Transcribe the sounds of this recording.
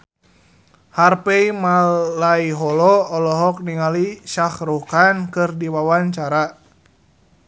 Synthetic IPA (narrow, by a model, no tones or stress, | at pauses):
harpɛimalːaiɦɔlɔɔlɔɦɔk̚niŋaliʃahɾukankɨrdiwawaɲt͡ʃaɾa